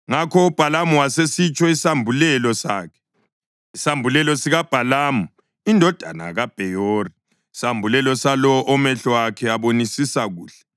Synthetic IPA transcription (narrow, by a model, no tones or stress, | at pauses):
ŋakʰɔub̥ʱalamuwasesit͡ʃʼɔisambʱulɛlɔsa̰ːkʰɛ̥ | isambʱulɛlɔsiɣab̥ʱalaːmu | indʱɔd̥ʱana̰ɣab̥ʱɛjoːriː | sambʱulɛlɔsalɔʔɔmɛɬɔwakʰɛaβonisisaɣuːɬɛ̥